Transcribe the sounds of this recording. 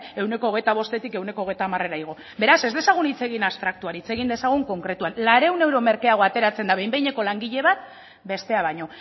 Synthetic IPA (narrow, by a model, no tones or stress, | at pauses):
e̞wne̞ko̞ːɣ̞e̞jt̪aβ̞o̞st̪e̞t̪ike̞wne̞ko̞ːɣ̞ejt̪aːmare̞ɾaiɣ̞o̞ | be̞ɾase̞zd̪e̞saɣ̞unit͡se̞ɣ̞inast̪ɾak̚t̪uaɾit͡se̞ɣind̪e̞saɣ̞uŋko̞ŋkɾe̞t̪uanlaɾe̞wne̞wɾo̞me̞ɾkeaɣ̞o̞at̪e̞ɾat͡se̞nd̪aβe̞jmbe̞jɲe̞ko̞laŋɡiʎe̞βat̪̚ | be̞st̪e̞aβajɲo̞